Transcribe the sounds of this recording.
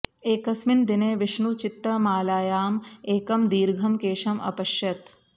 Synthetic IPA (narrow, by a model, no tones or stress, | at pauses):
eːkɐsmind̪ineːʋɪʂɳut͡ʃɪt̪ːɐmaːlaːjaːmeːkɐmd̪iːɾɡʱɐmkeːʂɐmʔɐ̰pɐʃjɐt̪